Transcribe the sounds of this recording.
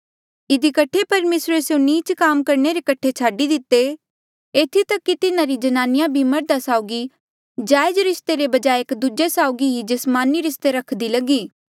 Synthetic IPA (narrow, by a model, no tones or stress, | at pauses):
ɪd̪ikɐʈʰːepɐɾmeːsɾeseoniːt͡ʃkaːmkɐɾneɾekɐʈʰet͡ʃʰaːɖid̪ɪt̪ːe | eːt̪ʰit̪ɐkːit̪ɪnãɾid͡ʒɐnaːnɪjãbʱimɐɾd̪asaːʊɡi | d͡ʒaːɪd͡ʒɾɪst̪eɾebɐd͡ʒaːekd̪ud͡ʒesaːʊɡiid͡ʒɐsmaːniɾɪst̪eɾɐkʰd̪ilɐɡiː